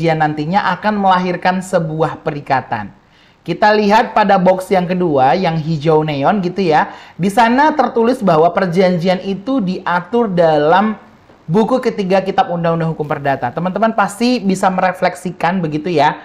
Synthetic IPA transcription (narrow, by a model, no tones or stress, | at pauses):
ianːant̪iɲaʔakanməlaɦɪrkansəbuahpəɾikat̪a̰n | kit̪aliɦat̪̚padabɔksjaŋkəduajaŋɦid͡ʒawneɔnɡit̪ujadisanat̪ərt̪ulɪsbaɦwapərd͡ʒaɲd͡ʒianit̪udiʔat̪ʊrdalam | bukukət̪iɡakit̪ap̚undaŋundaŋɦukʊmpərdat̪at̪əmant̪əmanpast̪ibisaməɾeflɛksikanbəɡit̪uja